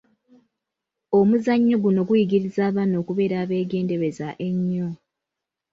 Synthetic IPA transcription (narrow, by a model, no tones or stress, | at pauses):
omuzaɲːo̞ɡuno̞ɡujiɡiɾizaːβano̞ːkuβe̞ːɾaːβe̞ːɡe̞ːnde̞βe̞zaʔe̞ɲːo